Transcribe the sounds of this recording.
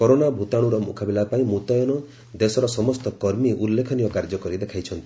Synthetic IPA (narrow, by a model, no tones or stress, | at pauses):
kɔɾonabʱut̪aɽ̃uɾɔmṵkʰabilapaĩmut̪ɔjɔnɔ | d̪esɔɾɔsɔmɔst̪ɔkɔɾmiʔulːekʰɔnijɔkaɾd͡ʒɔkɔɾid̪ekʰajt͡ʃʰɔnt̪i